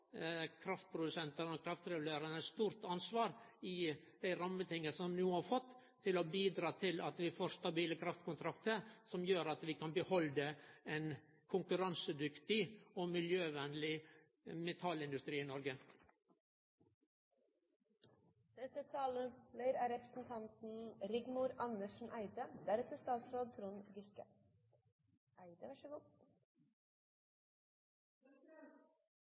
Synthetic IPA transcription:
kʰɾɑft̪̚pʰɾʊd̪ʉsɛnt̪əɾoːkʰɾɑft̪ɾɛɡʉleːɾənəɛst̪uːɾt̪ɑnsʋɑːɾɪ | d̪̥æɪɾɑmːət̪ɪŋːəsɔmnuːhɑːɾfɔt̪ːʰ | ɪlobiːd̪ɾɑːt̪ʰɪlɑt̪ʋɪfoːɾst̪ɑbiːləkʰɾɑft̪kʊnt̪ʰɾɑkt̪əɾsɔmjøːɾɑt̪ʋɪkʰɑnbəhɔld̪ɛɛn | kʰʊŋkʉɾɑnsəd̪ʏkt̪ɪomɪljøːʋɛnlɪ | mɛt̪ʰɑlɪnd̪ʉst̪ɾiːiːnɔɾɡə | d̪̥ɛsət̪ʰɑːləleɪɾæɾɛpɾəsn̩t̪ʰɑnt̪n̩ɾɪɡmuːɾɑnəʃn̩ʔæɪd̪əd̪æɾɛt̪əst̪ɑːt̪sɾoːd̪̚t̪ʰɾuːnɡʏskə̰ | ʔæɪd̪əʋæʂəɡuː

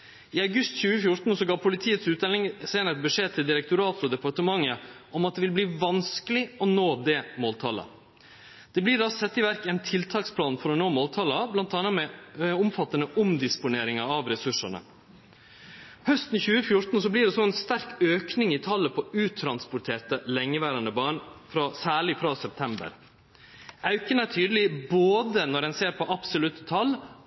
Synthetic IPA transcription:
ɪɑʉɡʉst̪çʉːəfjʊʈ̪n̩sɔɡɑːpʰʊlɪt̪ʰiːət̪sʉːt̪d̪ɛlɪŋseːnəɾɛt̪̚bəʂeːt̪ʰɪld̪ɪɾɛk̚t̪ʊɾɑːt̪ɔd̪ɛpɑʈəmɑŋːəʔɔmɑt̪d̪ɛʋɪlbliːʋɑnskəlɪɔnoːd̪ɛːmoːlt̪ʰɑ̰lə̰ | d̪̥ɛbliːɖɑsɛt̪ːɪʋæɾkɛɪnt̪ʰɪlt̪ʰɑːkspʰlɑːnfɔɾɔnoːmoːlt̪ʰɑləblɑnt̪ɑnəmɛʊmfɑt̪ːənəʔʊmd̪ɪspʊneːɾɪŋɑɑʋɾɛsʉʂəɳə̰ | hœst̪n̩çʉːəfjʊɾt̪n̩sɔbliːɖɛsɔɛnst̪æɾkøːknɪŋɪt̪ʰɑlːəpʰɔʉːt̪ʰɾɑnspʊʈʰeːɾt̪əlɛŋːəʋæːɾɑnəbɑːɳfɾɑsæːɭɪfɾɑːsɛp̚t̪ʰɛmbə̰ɾ | ʔɑʉkənæʈʰyːd̪əl̩ɪboːd̪ənɔɾɛnseːɾpʰɔʔɑpsʊlʉt̪ə̥t̪ʰɑlː

